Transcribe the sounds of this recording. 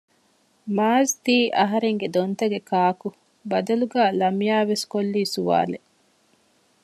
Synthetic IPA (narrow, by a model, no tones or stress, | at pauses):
maːzt̪iːʔɐɦɐɾeŋɡed̪ont̪ɐɡekʰaːku | bɐd̪ɐluɡæːlɐmijaːʋeskolːiːsuʋa̰ːle